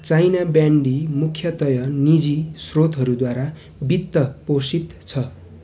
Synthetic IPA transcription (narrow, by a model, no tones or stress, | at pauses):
t͡sajnabjaɳɖimukʰjʌt̪ʌjʌnid͡zisrot̪ɦʌɾud̪waɾa | bit̪ːʌposit̪t͡sʰʌ